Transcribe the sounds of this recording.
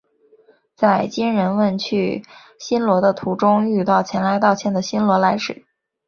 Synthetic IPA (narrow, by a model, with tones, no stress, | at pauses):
t͡sa˥˩ɪt͡ɕi˥ŋɻə˧˥nwə˥˧nt͡ɕʰy˥˩ | ɕi˥nlwɔ˧˥d̪ə˧t̪ʰu˧˥ʈ͡ʂʊ˥ŋy˥˧t̪ɑ˥˩ʊt͡ɕʰjɛ˧˥nla˧˥ɪt̪ɑ˥˩ʊt͡ɕʰjɛ˧˥nd̪ə˨ɕi˥nlwɔ˧˥la˧˥ɪʂɻ̩˨˩˦